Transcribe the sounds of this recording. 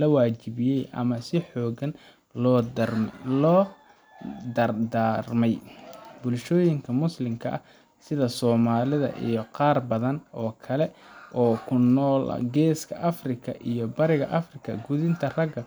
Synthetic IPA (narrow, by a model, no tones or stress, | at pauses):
lɐwaːt͡ʃɪβɪjɛjʔɐ̰mɐsɪħɔːɡɐn | lɔː | d̪d̪armɛjbʊlʃɔːjɪŋkʰɐmʊslɪmkʰɐʔɐ | sɪðɐsɔːmaːlɪðɐ̰ʔḭjɔqɑːrbɐðɐnɔːkʰɐlɛʔɔːkʰʊnːɔːlʔɐ̰ɡɛːskʰɐʔɐfrɪkʰɐʔijɔbɐɾɪɣɐ̰ʔɐfrɪkʰɐ̰ɡʊðɪnt̪ʰɐrɐɡɐ